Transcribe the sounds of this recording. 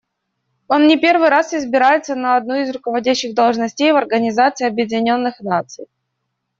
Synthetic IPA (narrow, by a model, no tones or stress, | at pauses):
o̞nːʲɪpʲe̞rvɨjɾasɪzbʲɪɾajɪt̪sənəɐd̪̚nuɪzɾʊkəvɐdʲæɕːɪɣd̪əlˠʐnɐsʲtʲejvɐrɡənʲɪzat̪sɨiɐbjɪdʲɪnʲo̞nːɨxnat̪sɨj